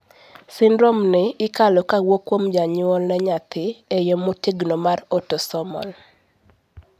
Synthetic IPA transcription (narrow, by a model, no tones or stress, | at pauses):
sɪndɾɔmnɪɪkalɔkawokwomd͡ʒaɲʊɔlnɛɲat̪ʰɪejomotiɡnomarotosɔmɔ̰l